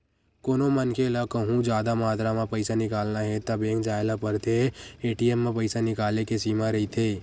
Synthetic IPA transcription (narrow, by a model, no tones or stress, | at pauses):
koːnomənkʰelakəɦũd͡ʒaːd̪amaːt̪ɾamẽpəɪsanɪkaːlnaɦɛt̪ɐbẽːŋkd͡ʒaːelapəɾt̪ʰeeːʈiemːẽpəɪsanɪkaːlekesiːmaɾɐit̪ʰeː